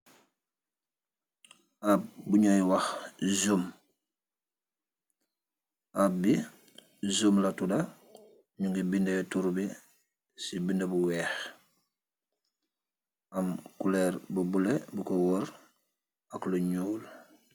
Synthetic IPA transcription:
ab̚buɲojwaxzum | ab̚bi | zumlatuda | ɲuŋɡibindejotuɾubi | sibindebuwɛːx | amkulɛɾbubulebukowɔɾ | akluɲuːl

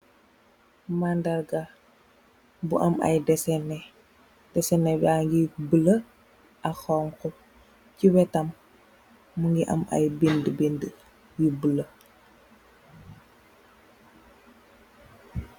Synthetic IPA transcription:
mandɐlɡa | buʔɐmɐ̰jdɛsɛnɛ | d̥ɛsɛnɛbaŋɡibələ | ʔɐxɔŋkɔ | ciwɛtɐmː | uŋɡiʔɐ̰mɐ̰jbendəbində | jibələ

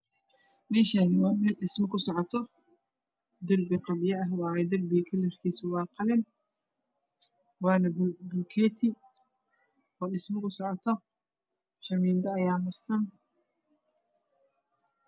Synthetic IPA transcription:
mɛːʃaːnɪwɑːmɛlɖɪsmɪkʰʊsɔʕɔt̪ʰɔ | d̪ɐrbɪqɐbɪjɐɐɦɑːɛd̪ɐrbɪɐkʰɐlɛrkʰiːsʊwɑːqɑlɪn | wɑːnɐbbʊlkʰɛːt̪ʰɪ | ɔːɗɪsmɪkʰʊsɔʕɔt̪ʰɔ | ʃɐmiːnd̪ɐːjaːmɐrsɐn

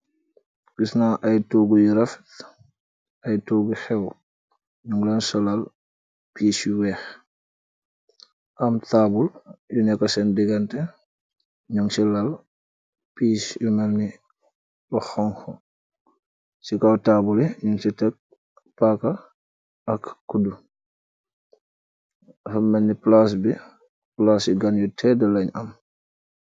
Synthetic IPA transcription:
kisnaʔajtuɡujuɾɐft | ɐjtuːɡuxɛw | ɲuŋlɛnsɔlal | piːsuwɛːx | ʔamtaːbuljunɛkːɐsɛndiɡantɛ | ɲuŋsilal | piːsjumɛlni | bɔxɔŋxɔ | sikawtaːbuliɲuŋsitɛk̚ | pakɐ | ɐkːudu | fɐmːɐnːiplas̬bi | plasiɡanjɔtʰɛdɐlɐɲɐ̰m

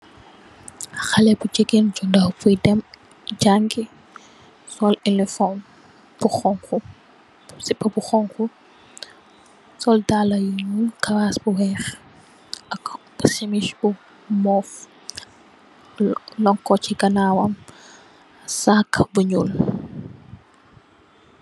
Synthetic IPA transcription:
xalɛbud͡ʒeɡend͡ʒundawpujdɛm | d͡ʒaŋɡi | sɔlilɛfɔn | b̥uxɔŋku | sipːɐbuxɔŋku | sɔldalɐjiɲulkɐwasbuwɛːx | ʔɐk | semiʃbu | mɔf | lɔŋkːɔt͡ʃiɡɐnawɐm | sakbuɲul

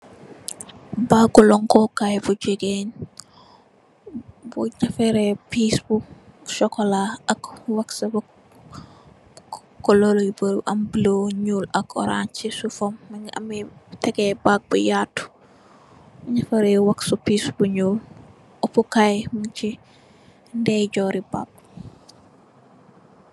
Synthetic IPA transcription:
baɡulɔŋkɔkajbud͡ʒeɡen | buɲafɛɾɛpisbu | ʃɔkɔlaɐkwɐksɐb | kɔlolibəɾʔɐmbiloɲuːlɐkɔ̰ɾa̰nt͡ʃisufɔmːŋɐ̰mitɛkɛbak̚bujatu̥ | buɲɐfɛɾɛwaksupiːsbuɲuːl | ɔpukajmunt͡ʃi | ndɛjɟɔːɾiba̰ːk̚

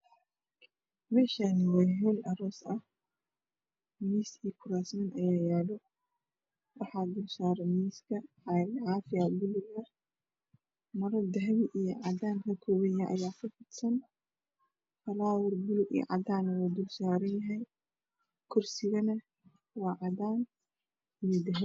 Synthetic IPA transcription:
mɛːʃanɪwɑɦɛlʔɐɾɔːsɐh | miːsikʰʊɾaːsmɐnʔɐjaːjɛːlɔ | wɑħɑːd̪ʊlsaːɾɛmiːskʰɐ | lʕɑːfɪɐbʊlʊɡɐ | mɐɾɐd̪ɐɦβɪʔijɔʕɑdaːnkʰɐkʰɔːwɐjaʔɐ̰jaːkʰɐfɪd̪sɐn | fɐlaːwɔrbʊlʊɡḭʕɑ̰daːnɐwaːd̪ʊlsaːɾɐnjɐɦɛj | kʰʊrsɪɣɐnɐ | wɑːʕɑdaːn | ijɔd̪ɐɦ

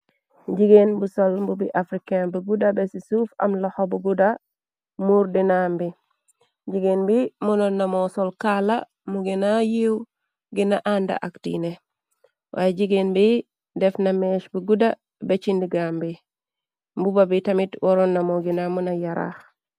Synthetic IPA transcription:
ɟiɡenbusolmbubiʔafɾikanbuɡudabesisuːfa̰mlahobuɡuda | muɾdinambi | ɟiɡeːnbimunonːamosolkala | muɡinajiw | ɡinaʔanda̰ʔaktḭne | wʔa̰jeɟiɡenbi | defnameʃbuɡuda | bet͡ʃindiɡambi | mbubabitamitwoɾonːamoɡinamunajaɾa̰x

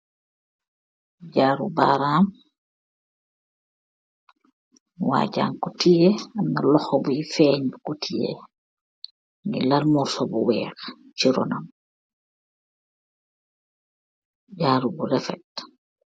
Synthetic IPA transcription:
ɟaːɾubaːɾaːm | wa̰ːɟa̰ːŋkɔtijeanːalɔxobujifɛːɲbukutʰijḛ | ŋilalmɔsɔbuwɛ̰ːx | t͡ʃiɾɔ̰nam | ɟaːɾubuɾɛfɛt

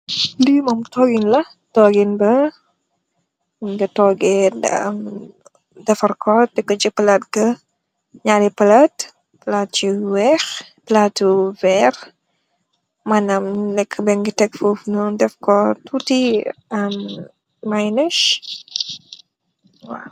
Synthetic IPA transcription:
dimɐmtɔːɡinlɐ | tɔːɡinbɐ | ɡɐtɔɡɛ | dɛfɐrkʰɔtɛkɔt͡ʃipəlat̚ɡɐ | ɲaɾɛpɐlat | plat̚t͡ʃiwɛx | platːuvɛr | manɐmlɛkʰːbɛŋɡitɛkfufnudɛfkɔtutiɐmː | ajnəʃ | wa

